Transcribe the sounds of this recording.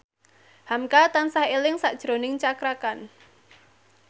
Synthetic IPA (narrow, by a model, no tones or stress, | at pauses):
hamkat̪ansahelɪŋsaʔd̥ʒ̥ɾonɪŋt͡ʃakɾakan